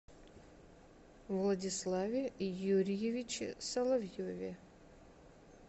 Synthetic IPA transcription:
vlˠɐdʲɪslˠavʲɪijuɾʲɪjevʲɪt͡ʃɪ̰sɐlˠɐvjovʲɪ

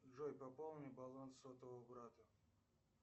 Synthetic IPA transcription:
ʐojpɐpolˠnʲɨbɐlˠonsɔt̪əvobɾat̪ə

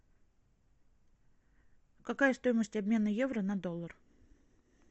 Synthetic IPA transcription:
kɐkajəst̪o̞jɪməsʲtʲɐbmʲe̞nəje̞vɾənɐd̪o̞lˠːər

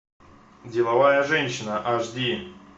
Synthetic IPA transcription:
dʲɪlˠɐvajəʐɛnʲɕːɪnəʔaʐdʲi

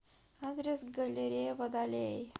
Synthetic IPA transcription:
ad̪ɾesɡəleɾeʋəd̪ale

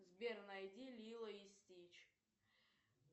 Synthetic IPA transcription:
zbʲernajdʲilʲilˠɐistʲit͡ʃʰ

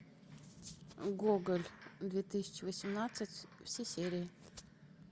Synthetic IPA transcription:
ɡoɡəlʲd̪vʲet̪ɨsʲɪ̥t͡ɕɪvəsʲɪmnat̪sɨtʲfsʲesʲeɾʲɪɪ

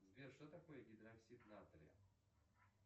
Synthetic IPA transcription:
zʲbʲerʂt̪ot̪ɐkojəɡʲɪd̪ɾɐksʲit̪nat̪ɾʲə̰

